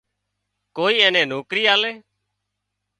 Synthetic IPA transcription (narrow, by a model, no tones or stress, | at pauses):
koːiːɛːnɛ̃ːnoːkɾiːaːlɛː